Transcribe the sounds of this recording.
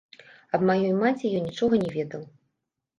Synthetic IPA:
ɐbmajɔjmat͡sʲijɔnnʲit͡ʂɔɣɐnʲɛvʲɛd̪ɐw

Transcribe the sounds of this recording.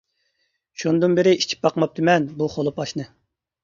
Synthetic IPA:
ʃunɨd̪ɨnbɪɾɪit͡ʃʰi̥p̚bɑqmɑp̚t̪ʰɨmɛnbuχolˠɨpʰɑʃnɨ

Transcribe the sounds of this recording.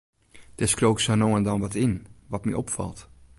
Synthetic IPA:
d̥ɛskrowksənoːəndɔnʋɔtɪnʋɔtmḭʔɔpfɑ̰lˠt

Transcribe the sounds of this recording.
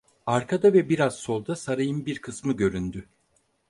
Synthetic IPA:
aɾkʰad̪avɛbiɾazso̞lˠd̪asaɾajɯmbiɾkʰɯsmɯɟø̞ɾynd̪y

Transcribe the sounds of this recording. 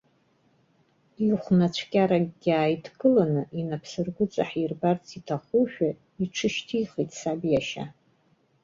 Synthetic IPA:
iχʷnat͡ʃʷʰkʲʼaɾaɡʲɡʲaːjtʰɡɨlanɨʔinapʰsɨrɡʷʊt͡sʼaħirbart͡sʰʼitʰaχʷuʃᶣa | iʈ͡ʂʰɨʃtʰiːχitʼsabjaʃa̰

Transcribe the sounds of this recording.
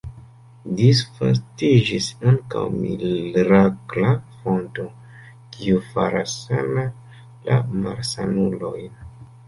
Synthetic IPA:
disfa̰stid͡ʒisaŋka̰wmilɾaklafo̞nto | kiufaɾasːana | lamaɾsanulo̞jn

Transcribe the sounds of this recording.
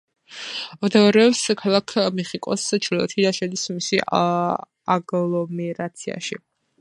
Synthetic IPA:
ɔd̪ɛɔɾɛpskʰalˠakʰmɛχikʼɔst͡ʃʰɾilɔ̰t̪ʰilaʃɛlismisi | aɡlˠɔmɛɾat̪sʰia̰ʃi

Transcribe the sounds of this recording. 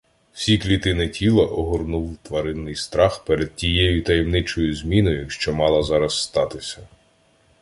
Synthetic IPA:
sʲiklʲit̪ɪnɪtʲilˠɐʔɔɦɔrnuwt̪ʋɐɾɪnːɪjst̪ɾɑxpeɾɛd̪̚tʲijɛjʊt̪ɐjɛmnɪt͡ʃɔjʊzʲmʲinɔjʊʃt͡ʃɔmɑlˠɐzɑɾɐsːt̪ɑt̪ɪsʲɐ

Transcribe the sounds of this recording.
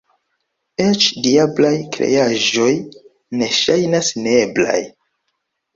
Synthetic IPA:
et͡ʃdiablajkɾe̞̰jaʒo̞j | ne̞ʃajnasneebla̰j

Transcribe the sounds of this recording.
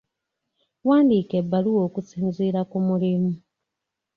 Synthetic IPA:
waːndiːkebaliwoːkut͡siːnziːɾakumuɾimu

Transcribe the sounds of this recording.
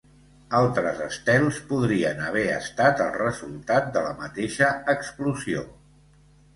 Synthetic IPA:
alˠt̪ɾəzəst̪ɛlˠspuðɾiənəβ̞ɛə̰st̪at̪əlˠrəzulˠt̪at̪̚d̪ələmət̪eʃəːkspluzio̰

